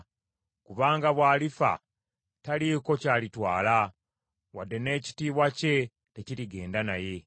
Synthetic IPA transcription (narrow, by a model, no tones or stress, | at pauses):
kuβaːŋɡaβwaːlifa̰ | taliko̞caːlitwaːla | wadːe̞ne̞ːci̥tiːβwace̞ | te̞ciɾiɡe̞ːndanaje̞